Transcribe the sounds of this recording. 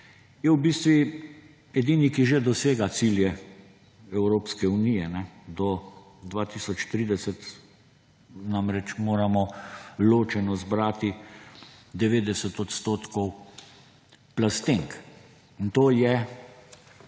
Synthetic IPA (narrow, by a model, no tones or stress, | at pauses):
jɛwbiːst̪ʋi | ɛd̪iːnikiʒed̪ɔseːɡat̪siljɛ | ɛwɾoːpskɛunijɛnɛd̪ɔ | d̪ʋaːt̪iːsɔt͡ʃt̪ɾiːd̪ɛsɛt̪ | namɾɛt͡ʃmoːɾamɔloːt͡ʃɛnɔzbɾaːt̪i | d̪ɛʋeːd̪ɛsɛt̪ɔt̪st̪oːt̪kɔw | plast̪eŋk | int̪oːjɛ